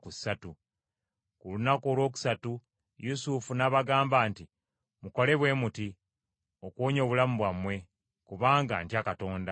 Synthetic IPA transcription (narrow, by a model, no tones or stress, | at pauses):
kusatu | kulunako̞ːlwo̞ːk̬u̥satu | jusufunaːβaɡaːmbaːnti | muko̞le̞βwe̞ːmuti | o̞kwoːɲo̞ːβulamuβwamwe̞ | kuβaːŋɡa̰ːntjakato̞ːnda